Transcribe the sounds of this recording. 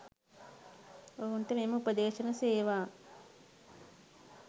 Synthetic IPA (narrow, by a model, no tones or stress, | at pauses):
oːuɳʈemeːmuːpɐd̪eːʃɐnɐseːʋaː